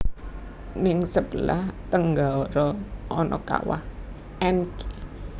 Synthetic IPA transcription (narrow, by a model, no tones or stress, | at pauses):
nɪŋsəb̥əla̰ht̪əŋɡaɔɾɔɔnɔka̰wa̰h | ʔɛnki